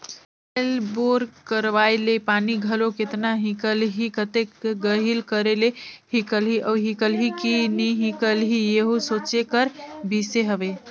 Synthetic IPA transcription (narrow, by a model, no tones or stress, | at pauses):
elboɾkəɾʋajlepaniɡʱəloket̪naɦĩkəlɦikət̪ekɡəɦilkəɾelehikəlɦiʔəɦikəlɦikiniɦĩkəlɦijeɦusot͡ʃekəɾbiseɦəbe